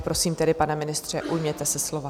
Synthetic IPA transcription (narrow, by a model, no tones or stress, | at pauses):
pɾo̞siːmt̪ɛdɪpanɛmɪnɪst̪r̝̥ɛʔujmɲɛt̪ɛsɛslo̞va